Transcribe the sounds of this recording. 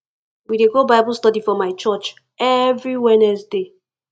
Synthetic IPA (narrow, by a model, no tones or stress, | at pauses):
wideɡobaɪbl̩stɔdifɔmaɪt͡ʃɔt͡ʃ | ɛvɹiwɛnɛsde